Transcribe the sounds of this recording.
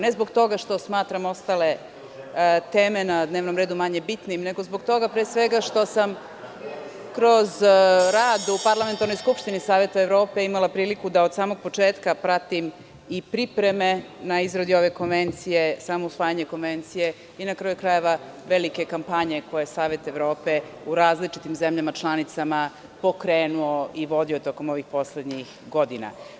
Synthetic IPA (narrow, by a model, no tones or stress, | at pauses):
nezboɡt̪o̞ɡaʃt̪o̞smaːt̪ɾamo̞st̪ale̞ | t̪eːmenad̪ne̞ːʋno̞mɾed̪umaɲe̞bit̪nimne̞ɡo̞zbo̞ɡt̪o̞ɡapɾeːsʋeɡaʃt̪o̞sam | kɾo̞zɾaːd̪upaɾlˠame̞nt̪aɾnojskupʃt̪inisaːʋe̞t̪aevɾo̞ːpeimalˠapɾiːlikud̪aod̪saːmoɡ̚po̞t͡ʂeːt̪kapɾat̪im | ipɾipɾeme̞ | naizɾod̪jio̞ʋe̞ko̞nʋe̞nt̪sije̞saːmousʋaːjaɲeko̞nʋent̪sije̞ | inakɾajukɾaje̞ʋa | ʋe̞like̞kampaɲe̞ko̞jesaːʋe̞t̪e̞ʋɾo̞ːpe̞uɾaːzlit͡ʃit̪imzemʎamat͡ʃlˠanit̪sama | po̞kɾeːnuoiʋo̞d̪iot̪o̞ko̞mo̞ʋixpo̞sled̪ɲix | ɡo̞d̪ina̰